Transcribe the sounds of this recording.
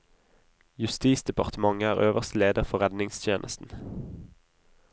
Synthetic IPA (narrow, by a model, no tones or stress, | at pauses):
jʉst̪iːsd̪ɛpɑʁt̪əmɑŋæːʁøːʋəʁst̪leːd̪əʁfɔʁɛd̪nɪŋst̪ʰjeːnʔəst̪n̩